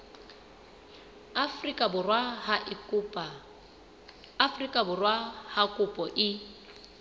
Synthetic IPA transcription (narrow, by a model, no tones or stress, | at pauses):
afrikʼabʊrwahaʔɪkpa | afrikʼabʊrwahakʼʊpʼɔʔɪ